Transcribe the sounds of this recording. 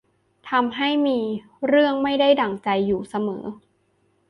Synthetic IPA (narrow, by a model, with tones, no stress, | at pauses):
t̪ʰa˧mɦa˥˩jmiː˧ | ɾɯ˥˩əŋma˥˩jda˥˩jda˨˩ŋt͡ɕa˧jːuː˨˩sa˧mɤ̰ː˩˦